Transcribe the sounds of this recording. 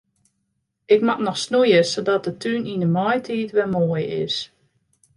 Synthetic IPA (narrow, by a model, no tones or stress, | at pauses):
ɪkmatnɔxsnujəsodɔt̚dətʰyninəmɔjtʰiːtʋɛmoːjɪ̰s